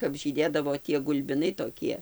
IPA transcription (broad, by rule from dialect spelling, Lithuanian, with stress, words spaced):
kɐp ʒʲiːˈdʲeːdɐʋoː tʲiɛ ɡʊlʲbʲɪˈnɐɪ toːˈkʲiɛ